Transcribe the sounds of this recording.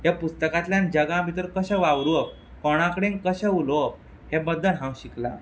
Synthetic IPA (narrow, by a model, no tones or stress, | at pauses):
japust̪əkat̪ljãnd͡ʑəɡãmit̪əɾkəɕɛʋaʋɾuəp̚ | kɔɽ̃ãkɽẽŋkəɕeulop | hebəd̪ːəlɦãw̃ɕikla̰